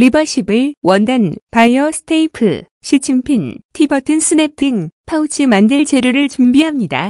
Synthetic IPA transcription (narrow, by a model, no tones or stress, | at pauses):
libʌɕ͈ʰibɯɭwʌndanpajʌsʰɯ̥tʰeipʰɯ̰ | ɕʰit͡ɕʰiŋpʰintʰibʌtʰɯnsʰɯnepʰiŋpʰaut͡ɕʰimandeɭt͡ɕe̞ɾuɾɯɭt͡ɕumbiɦamɲida